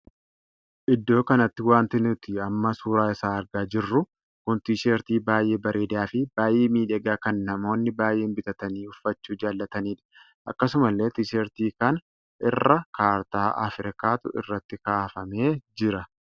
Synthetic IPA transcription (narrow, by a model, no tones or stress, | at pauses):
ʔɪd̪ːo̞ːkɐnɐt̪ːɪwaːnt̪ɪnʊt̪ɪɐmːɐsuːɾaːɪsaːɐɾɡaːd͡ʒɪrːʊ | kʊnt̪iːʃeːɾt̪iːbaːjʔe̞ːbɐɾʔeːd̪aːfɪbaːjʔeːmiːᶑɛɡaːkɐnːɐmo̞ːnːɪbaːjʔe̞ːnbɪt̪ɐt̪ɐniːʊfːɐt͡ʃːuːd͡ʒaːlːɐt̪ɐniːᶑɐ̥ | ʔɐ̰kːɐsʊmɐlːe̞ːt̪iːʃeːɾt̪iːkɐn | ʔɪrːɐkaːɾt̪aːʔɐ̰fɾɪkaːt̪ʊ̰ɪ̰rːɐt̪ːɪkaːfɐme̞ːd͡ʒɪɾɐ